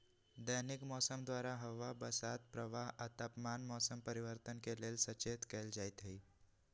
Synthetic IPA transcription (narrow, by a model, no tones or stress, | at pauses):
d̪ənɪkmɔːsəmd̪waːɾaɦɐʋabɐsaːt̪̚pɾəʋaːɦɐt̪aːpmaːnmɔːsəmpəɾɪʋəɾt̪ənkeleːlsɐt͡ʃeːt̪kɛːld͡ʒaːɪt̪ɦəiː